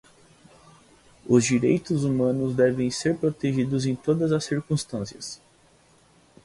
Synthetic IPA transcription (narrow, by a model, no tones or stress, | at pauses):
ʊzd͡ʒiɾejt̪ʊzumɐ̃nʊzd̪ɛvẽj̃seɾpɾot̪eʒid̪ʊzẽj̃t̪od̪ɐzɐsːiɾkũst̪ɐ̃siɐs